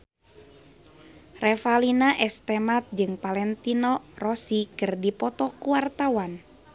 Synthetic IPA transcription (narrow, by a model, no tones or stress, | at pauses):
rɛfalinaʔɛst̪ɛmat̪̚d͡ʒɨŋpalɛnt̪inɔrɔsikɨrdipɔt̪ɔkuwart̪awan